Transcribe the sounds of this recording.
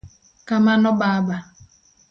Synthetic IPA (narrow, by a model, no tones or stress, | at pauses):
kamanʊbaba